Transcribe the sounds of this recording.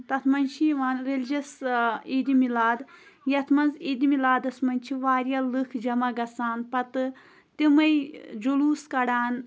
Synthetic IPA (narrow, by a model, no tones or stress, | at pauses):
t̪ɐt̪ʰmɐnʃiːʋaːnɾelʲd͡ʒɐsiːd̪imilaːd̪ | jɐt̪ʰmɐnziːd̪imilaːd̪ɐsmɐnʲt͡ʃʰiʋaːɾjalɨkʰd͡ʒɐmaɡɐsaːnpɐt̪ɨ | t̪imɐjd͡ʒuluːskɐɽaːn